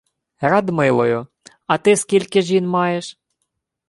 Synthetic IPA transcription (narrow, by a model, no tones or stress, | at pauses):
ɾɑd̪mɪlˠɔjʊ | ɐt̪ɪskʲilʲkɪʒʲinmɑjeʃ